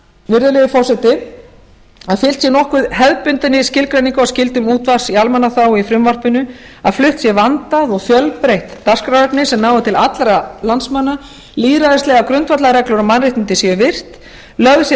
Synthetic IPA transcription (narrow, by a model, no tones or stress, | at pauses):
vɪɾðɪlɛðɪfɔrsɛt̪ɪ | aðfɪl̥t̪sjɛnɔhkʏðhɛðpʏnt̪ɪnɪscɪlkɾaniŋkaascɪlt̪ʏmuːt̪var̥sialmanaθawifɾʏmvar̥pʏnʏ | a̰ðflʏht̪sjɛvant̪aðɔɣfjœlpɾejht̪ːar̥skɾaœknɪsɛmnaːwvɪt̪ʰɪlat̪lɾalansmanːa | liːðɾaðɪst̪ɛːɣakɾʏnt̪fat̪laɾɛklɔɾʏmanrejht̪ɪnt̪ɪsjɛvɪr̥t̪ | lœɣðs